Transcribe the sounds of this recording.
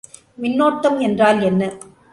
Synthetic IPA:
mɪnːoːʈːɐmɛndraːlɛnːɐ

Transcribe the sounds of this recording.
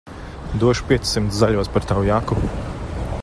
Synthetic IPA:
d̪uɔʃu̥pʲiɛt̪sʲsimt̪szaʎʲuɔspaɾt̪awjaku

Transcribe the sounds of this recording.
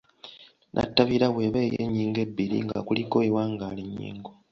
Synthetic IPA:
nʔa̰tːaβiɾaβwe̞ːβeːjḛːɲːiːŋɡe̞bːiɾḭŋɡa̰kuliko̞ewaːŋɡaːliɲːḭːŋɡo

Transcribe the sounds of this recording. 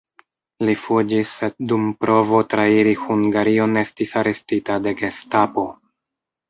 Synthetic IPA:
lifud͡ʒisːedumpɾo̞vo̞tɾaiɾihuŋɡaɾio̞ne̞stisaɾe̞stitade̞ɡestapo̞

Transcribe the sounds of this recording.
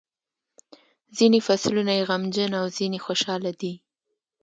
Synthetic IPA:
zinefaslunajeɣamd͡ʒənawzinexoʃɑlad̪i

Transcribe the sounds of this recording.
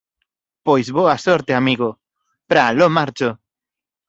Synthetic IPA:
pojsboasoɾt̪eamiɣo | pɾalomaɾt͡ʃo

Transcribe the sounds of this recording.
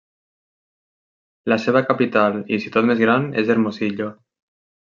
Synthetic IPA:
laseβ̞akapit̪alḭsit̪ot̪mezɣɾanezeɾmoziʎo

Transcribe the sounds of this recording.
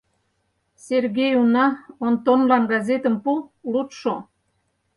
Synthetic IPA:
serɣejunɑont̪onlɑnɡɑzet̪ə̆mpulut̪ʃo

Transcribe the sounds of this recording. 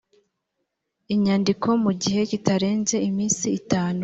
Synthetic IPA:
iɲaːndikʰo̞muɟihe̞citaɾe̞ːnze̞imiːnsiːtaːnu

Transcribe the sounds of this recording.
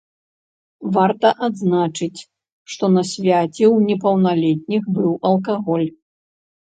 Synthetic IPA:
vart̪ɐʔad̪znat͡ʂɨt͡sʲ | ʂt̪ɔnɐsʲvʲat͡sʲɛwnʲɛpɐwnalʲɛt̪̚ʲnʲixbɨwɐlˠkaɣɔlʲ

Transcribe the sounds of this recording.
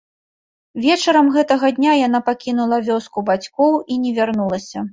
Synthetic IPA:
vʲɛt͡ʂɐɾɐmɣɛt̪ɐɣɐd̪ʲnʲajan̪apakʲinulˠɐvʲɔskubat͡sʲkɔwinʲɛvʲarnulˠɐsʲɐ

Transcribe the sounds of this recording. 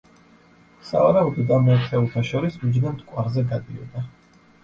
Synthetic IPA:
savaɾaɔd̪ɔd̪amɛt̪ʰɛulˠt̪ʰaʃɔɾismud͡ʒnant̪kʼwaɾzɛɡad̪iɔ̰d̪a

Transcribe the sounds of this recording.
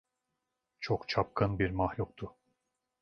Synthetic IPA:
t͡ʃʰokt͡ʃʰap̚kʰɯnbiɾmahlʲuk̚t̪ʰʊ

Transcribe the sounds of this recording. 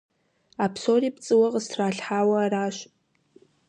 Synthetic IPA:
apʰsoript͡sʼɨwaqʼəstʰraːɬħaːwaːɾaːʃʷ

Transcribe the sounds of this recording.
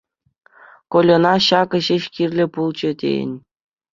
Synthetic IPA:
kolʲŏnɑɕɑkɤ̆ɕeɕkʲirʲlʲɘ̆pulˠt͡ɕɘ̆tʲḛjɘ̰̆nʲ

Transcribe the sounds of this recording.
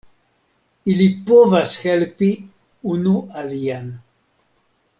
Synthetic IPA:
ilipɔvasxɛlpi | unuaðian

